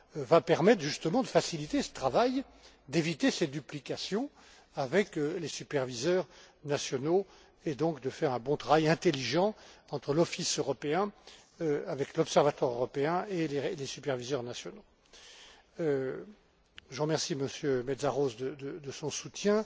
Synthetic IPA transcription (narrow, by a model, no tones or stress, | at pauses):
vapɛʁmɛt̪χʒyst̪əmɑ̃d̪əfasilit̪esə̥t̪χavaj | d̪evit̪esed̪yplikasjɔ̃ | avɛklesypɛʁvizœʁ | nasjɔno | ed̪ɔ̃kd̪əfɛʁɛ̃bɔ̃t̪χavajɛ̃t̪eliʒɑ̃ɑ̃t̪χəlɔfisøʁɔpeɛ̃ | øavɛklɔpsɛʁvat̪waʁøʁɔpeɛ̃elelesypɛʁvizœʁnasjɔno | ø | ʒəʁəmɛʁsiməsjømɛd̪zaʁozd̪əd̪əd̪əsɔ̃sut̪jɛ̃